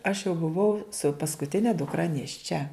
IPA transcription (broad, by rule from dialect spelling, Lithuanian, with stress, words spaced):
ɐʃ jɛʊ bʊˈʋɐʊ sʊ pɐskʊˈtʲɪnʲɛ dʊkˈrɐ nʲeːʃʲˈt͡ʃʲɛ